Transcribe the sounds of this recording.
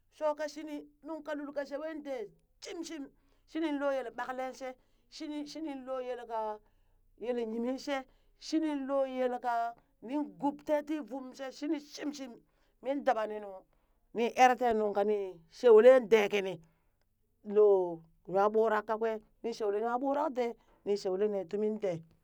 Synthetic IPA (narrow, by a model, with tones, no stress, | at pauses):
so˦ka˦ʃi˦ni˦nu˦ŋka˨lu˨lka˨ʃe˦we˦nde˨ | t͡ʃi˦mʃi˦m | ʃi˦ni˦nlo˦je˨le˨ɓa˨kle˦nse˦ | ʃi˦ni˦ʃi˦ni˦lo˦je˨lka˨ | je˨le˨ɲi˨mi˦nse˦ | ʃi˦ni˦nlo˦je˦lka˨ | ni˦ŋɡu˨pte˦ti˦vu˦mse˦ʃi˦ni˦t͡ʃi˦mt͡ʃi˦mː | i˦nda˨ba˨ni˨nu˨ | ni˦ʔe˦ɾte˦nu˨ŋka˨ni˨ | ʃe˨wle˦nde˨ki˨ni˨ | lo˨ | ja˨ɓu˦ɾa˦kːa˦kwe˦ | ni˦ʃe˨wle˦n˦a˦ɓu˦ɾa˦kde˦ | ni˨ʃe˨wle˦ne˨tu˦mi˦nte˨